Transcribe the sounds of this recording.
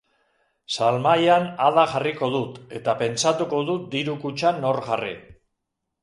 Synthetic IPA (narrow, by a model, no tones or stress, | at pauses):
salmajanaðaɣariko̞ðut̪e̞t̪ape̞nt͡sat̪uko̞ðut̪̚d̪iɾukut͡ʃanːo̞ɾɣarḭ